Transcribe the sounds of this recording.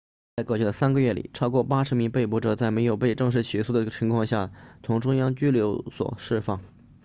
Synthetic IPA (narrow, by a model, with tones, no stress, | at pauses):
t͡sa˥˧ɪkɤ˥˩t͡ɕʰy˥˩d̪ə˩sa˥nɡə˧ɥɛ˥˩lḭ˨˩ʈ͡ʂʰɑ˥ʊkwɔ˥˩pa˥ʂɻ̩˧˥mi˧˥ŋpe˥˩ɪpɔ˧˥ʈ͡ʂɤ˨˩t͡sa˥˩ɪme˧˥ɪjo˨˩ʊpe˥˧ɪʈ͡ʂɤ˥˧ŋʂɻ̩˥˩t͡ɕʰy˧˥su˥˩d̪ə˧˩t͡ɕʰi˧˥ŋkʰwɑ˥˧ŋɕja˥˩t͡sʰʊ˧˥ŋʈ͡ʂʊ˥ŋjɑ˥ŋt͡ɕy˥ljo˧˥ʊswɔ̰˨˩ʂɻ̩˥˧fɑ˥˩ŋ